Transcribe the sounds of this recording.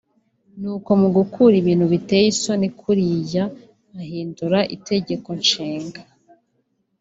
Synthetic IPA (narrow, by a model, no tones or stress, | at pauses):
nuːko̞muɡukʰuɾiβiːn̥huβitejiso̞nikʰuɾijaː | hiːnduɾaʔite̞ɟe̞ko̞nʃiːŋɡa